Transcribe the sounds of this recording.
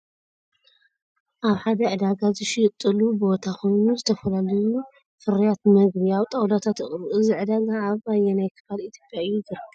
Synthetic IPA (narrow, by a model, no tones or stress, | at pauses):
ʔaβħad̪ɐʕɨd̪aɡazɨʃit̪ʼːɨlubo̞t̪ʰakʰo̞jnuzɨt̪ʰɐfɐlalɐju | fɨɾijat̪mɐɡbiawt̪ʼɐwlat̪ʰat̪ɨχʼɾuʔɨziʕɨd̪aɡaːβajɛnajkʰɨ̥falit̪ʰjo̞pʼjaɨjːuɡɨɾ